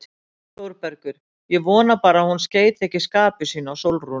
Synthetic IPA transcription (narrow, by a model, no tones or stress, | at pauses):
t̪owɾpɛɾkʏɾ̥ | jɛvɔːnapaːɾahunsceːjt̪ɛhcɪskaːpʏsiːnawsowlru